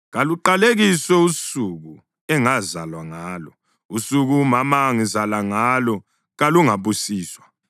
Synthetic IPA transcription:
ɣaluǃaleɣiswɛusuɣu | ɛŋazalwaŋaːlɔ | usuɣumamaŋizalaŋalɔ | ɣaluŋaβusiːswa

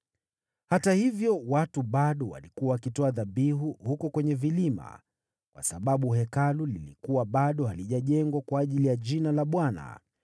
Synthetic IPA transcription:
hatahivjɔwatuɓaɗɔwa̰likuwawakitɔaðaɓiɦuhukɔkwɛɲɛvilima̰ | kwa̰saɓaɓuɦɛkalulilikuwaɓaɗɔhaliʄaʄɛŋɡwakwaːʄilijaʄinalaɓwana̰

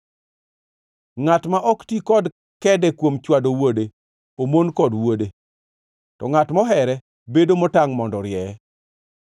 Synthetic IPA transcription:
ŋatmaʔɔktikɔd | kɛdɛkwomt͡ʃwadowode | omonkɔdwode | tɔ̰ŋatmɔɦɛɾɛ | bedomɔtaŋmɔndɔɾjɛ

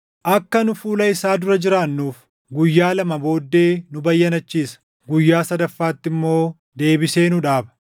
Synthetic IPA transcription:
ʔɐkːɐnʊfuːlɐɪsaːd̪ʊɾɐd͡ʒɪɾaːnːuːf | ɡʊjːaːlɐmɐbo̞ːd̪ːe̞ːnʊbɐjːɐnɐt͡ʃːiːsɐ̥ | ɡʊjːaːsɐd̪ɐfːaːt̪ːɪmːo̞ː | d̪e̞ːbɪse̞ːnʊᶑaːbɐ̥

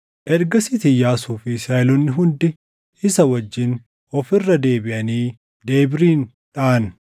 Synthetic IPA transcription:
ʔɛɾɡɐsɪt̪ɪjaːsuːfɪsaːɛlɔnːɪɦʊnd̪ɪ | ɪsɐwɐd͡ʒːɪn | ɔfɪrːɐd̪e̞ːbɪʔɐniː | d̪e̞ːbɪɾiːn | ᶑaːn

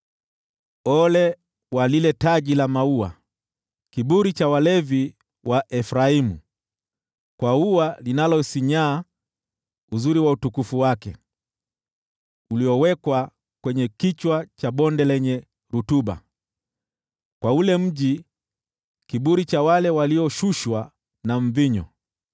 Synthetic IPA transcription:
ɔlɛ | walilɛtaʄilamaua̰ | kiɓuɾit͡ʃawalɛvi | wʔaʔɛfɾaimu | kwauwalinalɔsiɲaː | uzuɾiwautukufuwakɛ | uliɔwɛkwa | kwɛɲɛkit͡ʃwat͡ʃaɓɔndɛlɛɲɛ | ɾutuɓa̰ | kwaulɛm̩ʄi | kiɓuɾit͡ʃawalɛwaliɔʃuʃwa | naɱ̩viɲɔ̰

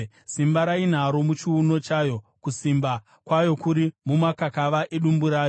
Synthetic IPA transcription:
simbaɾain̤aɾo̞mut͡ʃiuno̞t͡ʃajo̞kusimba | kwajo̞kuɾimumakakaʋaʔeɗumbuɾaːjo

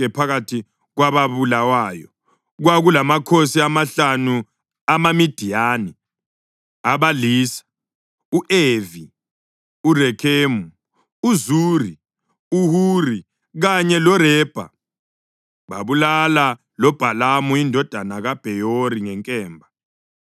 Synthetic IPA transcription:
ɛpʰaɣatʰi | ɣwaβaβulawaːjɔ | ɣwaɣulamakʰosiamaɬanu | amamid̥ʱiaːnɛ | aβaliːsḁ | uʔevi | urɛkʰeːmu | uzuːri | uhuːri | ɣaɲɛlɔɾɛːb̥ʱa̰ | βa̰βulala | lɔb̥ʱalamuindʱɔd̥ʱanaɣab̥ʱɛjoɾiŋɛŋkʼɛːmbʱa

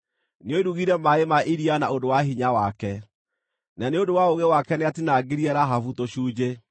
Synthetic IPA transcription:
neoiɾuɣiɾɛmaemaʔiɾianaodowaɦiɲawakɛ | naneodowaoɣewakɛneatinaɡeɾiɛɾaɦavutoɕuːd͡ʑe

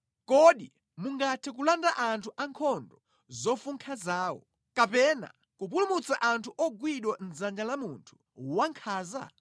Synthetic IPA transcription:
kɔɗi | muŋɡatʰɛkulandaʔantʰuʔaŋkʰɔndɔ | zɔfuŋkʰazaːwɔ̰ | kapɛna̰ | kup̬ulumut͡saʔantʰuʔɔɡwiɗwan̩zand͡ʒalamuntʰu̥ | waŋkʰaːza̰

